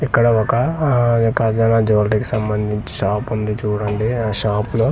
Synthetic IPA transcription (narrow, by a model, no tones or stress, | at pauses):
ikːɐɽɐɔkɐ | kɐd͡ʒɐnaːd͡ʒoʋlʈiki̥sɐmbɐnd̪ʱiɲt͡ʃi̥ʃaːpund̪it͡ʃuːɽɐɳɖiʃaːploː